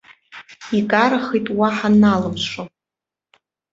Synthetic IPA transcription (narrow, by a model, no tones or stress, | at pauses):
ikʼaɾaχijtʼwaħanalɨmʂo